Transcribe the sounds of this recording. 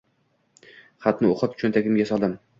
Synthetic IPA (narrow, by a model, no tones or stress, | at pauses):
χat̪nɪoqɨpt͡ʃʰɵnt̪ʰakʲɪmɡʲasɒlˠd̪ɪm